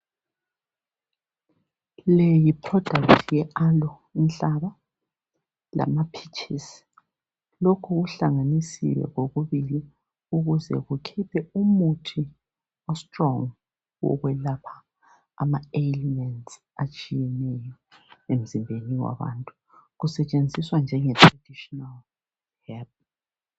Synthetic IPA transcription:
lejipʰrɔd̥ʱak̚tʰjɛʔalɔ | inɬaβa | la̰mapʰit͡ʃʰʼisi̥ | lokʰuɣuɬaŋanisḭwɛ̰ɣoɣuβili | uɣuzɛ̰ɣukʰitʰɛumutʰi | ɔstʼrɔŋ | wɔ̰ɣwɛlapʰḁ | a̰maelimɛnts | at͡ʃʼijɛnɛjɔ | em̩zimbʱeniwa̰βa̰ntʼu̥ | ɣusɛt͡ʃʼend͡zʱiswand͡ʒʱɛŋɛtʰʼrad̥ʱiʃɔnal | hɛlp̚

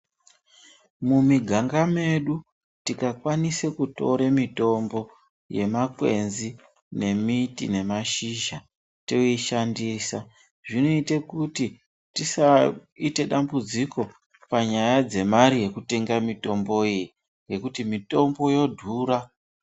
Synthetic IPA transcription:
mumiɡʱaŋɡame̞ɗu | tikakwanisekuto̞ɾemito̞mbo̞ | je̞makwe̞̰nzi | ne̞mitḭne̞maʃiʒa | teiʃandiːsa | ʐinoite̞kuti | tisaite̞ɗambud͡ziko̞ | paɲajad͡ze̞maɾije̞kute̞ŋɡamito̞mbo̞iji | ŋɡe̞kutimito̞mbo̞jo̞dʱuːɾa

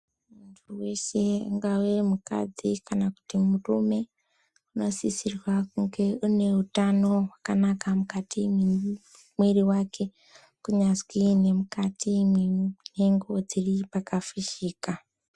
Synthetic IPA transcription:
muntʰuwe̞ʃe̞uŋɡawemuka̰d͡zikanaku̥timurume̞ | uno̞sisirwakuŋɡe̞une̞utano̞wakanakamukatimi | mweriwakʰe̞ | kuɲaskine̞mukatʰimwine̞ŋɡo̞d͡ziripakafiʃiːka

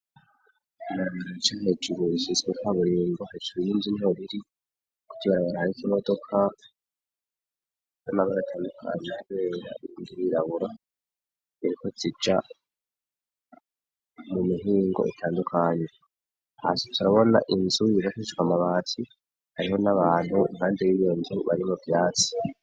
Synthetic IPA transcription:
nat͡ʃaɦed͡ʒuɾuisizwukwaβuɾiːŋɡohed͡ʒuujinzinoβiɾi | ku̥tiβaɾaβaɾahaɾikimo̞do̞kʰa | jonaβaɾatʰaːndukʰa̰ɲehaβeːɾa̰indiɾiɾaβuɾa | iɾikozid͡ʒa | mumiɦiːŋɡo̞̰ʔḭtʰaːndukʰaɲe | hasi̥tʰuɾaβo̞na̰ʔinzujiβatiiʃwamaβaːtʰi | haɾiɦo̞naβaːn̥huḭŋhaːndejijo̞nzuβa̰ɾimuvjaːt͡si̥

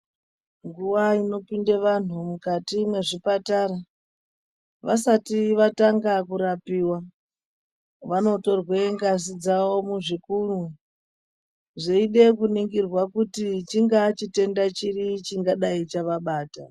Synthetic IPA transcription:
ŋɡuʋaino̞pindeʋan̤umukatimwe̞ʐipataɾa | ʋasatiʋataŋɡakuɾapiːwa | ʋano̞to̞rweŋɡas̬id͡zawo̞muʐikuːru | ʐeiɗe̞kuniŋɡirwakutit͡ʃiŋɡat͡ʃite̞ndat͡ʃirit͡ʃiŋɡaɗait͡ʃaʋaɓaːta

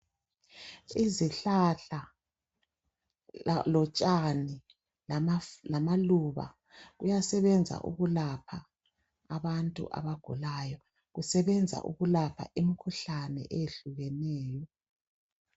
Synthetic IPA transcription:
iziɬaɬa | lɔt͡ʃʼani | llamaluβa̰ | ɣujasɛβɛnd͡zʱa̰ʔṵɣulapʰaː | βantʼṵʔa̰βaɡ̥ʱulajɔ | ɣusɛβɛnd͡zʱa̰ʔṵɣulapʰa̰ʔimikʰuɬanɛ̰ʔɛjeɬuɣɛnɛːjɔ

